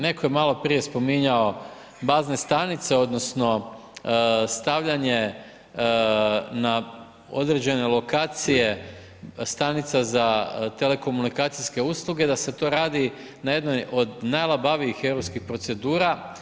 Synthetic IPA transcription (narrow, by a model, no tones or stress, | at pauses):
ne̞ko̞jemalo̞pɾije̞spo̞miɲao̞ | bazne̞st̪anit̪se̞o̞d̪no̞sno̞ | st̪aʋʎaɲe̞ | na | o̞̰d̪ɾe̞d͡ʑe̞ne̞lˠo̞kaːt̪sije̞ | st̪anit̪sazat̪e̞le̞ko̞munikaːt̪sijske̞uslˠuɡe̞d̪ase̞t̪o̞ɾaːd̪i | naje̞d̪nojʔo̞d̪najlˠabaʋiixeʋɾopskixpɾo̞t̪se̞d̪uːɾa